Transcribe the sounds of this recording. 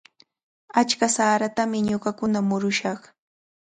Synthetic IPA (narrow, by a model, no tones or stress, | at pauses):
at͡ʃkasaːɾat̪amɪɲoɢakʊnamʊɾʊʃɑχ